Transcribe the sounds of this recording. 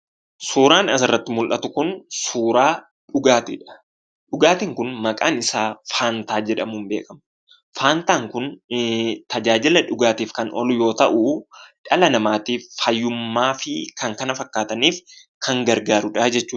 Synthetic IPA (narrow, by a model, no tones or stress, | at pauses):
suːɾaːnɐs̬ɪrːɐt̪ːɪmʊlʔɐt̪ʊkʊnsuːɾaː | ᶑʊɡaːt̪ɪᶑɐ̥ | ᶑʊɡaːt̪iŋkʊnmɐkʼaːnɪsaːfaːnt̪aːd͡ʒɛᶑɐmuːmbe̞̰ːkʼɐmɐ | faːnt̪aːŋkʊn | t̪ɐd͡ʒaːd͡ʒɪlɐᶑʊɡaːt̪iːfkɐnʔɔ̰lʊjo̞ːt̪ɐʔʊᶑɐlɐnɐmaːt̪iːfɐjːʊmːaːfɪkɐŋkɐnɐfɐkːaːt̪ɐniːf | kʰɐŋɡɐɾɡaːɾʊᶑɐːd͡ʒɛt͡ʃːuː